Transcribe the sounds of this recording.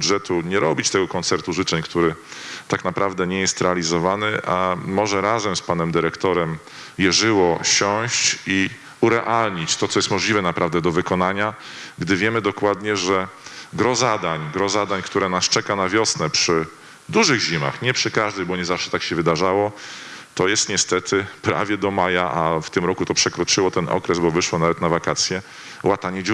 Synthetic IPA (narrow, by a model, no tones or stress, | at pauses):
d̪ʐɛt̪uɲɛɾɔbʲit͡ɕt̪ɛɡɔkɔnt̪sɛɾt̪uʐɘt͡ʂɛɲkt̪uɾɘt̪aknapɾavd̪ɛɲɛjɛst̪ɾɛalʲizɔvanɘʔamɔʐɛɾazɛmspanɛmd̪ɘɾɛkt̪ɔɾɛm | jɛʐɘwɔɕɔ̃ɕt͡ɕi | uɾɛʔalɲit͡ɕt̪ɔt̪sɔjɛst̪mɔʐlʲivɛnapɾʔavd̪ɛd̪ɔvɘkɔnaɲa | ɡd̪ɘvʲjɛmɘd̪ɔkwad̪ɲɛʐɛɡɾɔzad̪aɲɡɾɔzad̪aɲkt̪uɾɛnast͡ʂɛkanavʲjɔsnɛpʂɘ | d̪uʐɘɣʑima̰xɲɛpʂɘkaʐd̪ɛjbɔɲɛzafʂɛ̥t̪akɕɛvɘd̪aʐawɔt̪ɔjɛst̪ɲɛst̪ɛt̪ʰɘpɾa̰vʲjɛd̪ɔmajaʔaft̪ɘmɾɔkut̪ɔpʂɛkɾɔt͡ʂɘwɔt̪ɛnɔ̰kɾɛzbɔvɘʂwɔnavɛt̪navakat̪sʲjɛ | wat̪aɲɛd͡ʑ